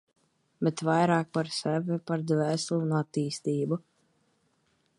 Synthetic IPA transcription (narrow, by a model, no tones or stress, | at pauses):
bɛt̪vajɾɑːk̚paɾsɛvɛpaɾd̪væːslˠunuat̪ːiːst̪iːbu